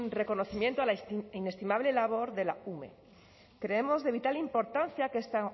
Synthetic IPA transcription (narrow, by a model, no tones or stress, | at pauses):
re̞ko̞no̞θimje̞nt̪oalaine̞st̪imaβ̞le̞laβ̞o̞ɾðe̞la̰umḛ | kɾe̞emo̞zðe̞β̞it̪alimpo̞ɾt̪anθjakest̪a